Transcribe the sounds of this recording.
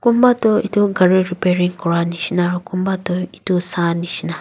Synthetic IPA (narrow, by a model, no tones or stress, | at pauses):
kum̩batɔitoɡaɾiɾipeɾiŋ̩kʊɾaniʃinaɾokum̩batɔitosaniʃina